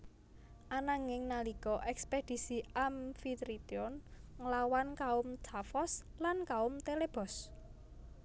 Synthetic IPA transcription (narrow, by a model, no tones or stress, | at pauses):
ʔanaŋɪŋnalikɔʔɛksped̪̥i̤siamfit̪ɾit̪iɔnŋəlawankaʊmtafɔslankaʊmt̪eleb̥ɔ̤s